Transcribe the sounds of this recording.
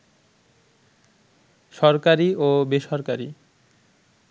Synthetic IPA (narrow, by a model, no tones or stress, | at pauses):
ʃɔɾkaɾiobeʃɔɾkaɾi